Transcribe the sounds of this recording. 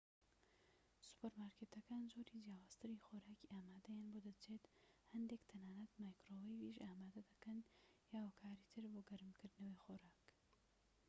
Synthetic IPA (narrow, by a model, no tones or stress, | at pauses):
su̥pəɾmaːɾkeːt̪ɐkaːnzoːɾid͡ʒjaːwaːz̥t̪ʰɨɾiːxoɾaːkiʔaːmaːd̪ɐjaːnboːd̪ɐt͡ʃʰeːt̪hɐnd̪eːkt̪ʰɐnaːnɐt̪majkɾowejviʒʔaːmaːd̪ɐd̪ɐkɐnjaːwakʰaːɾit̪ʰɨɾboːɡɐɾmkɨɾd̪nɐwejxoɾaːk